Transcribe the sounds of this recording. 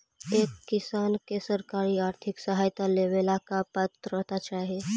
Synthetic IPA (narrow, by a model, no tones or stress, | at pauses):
eːkːisaːnkesəɾkaɾiaːɾt̪ʰiksəɦaːjt̪aleʋelakapat̪ɾɾəɦt̪at͡ʃaɦe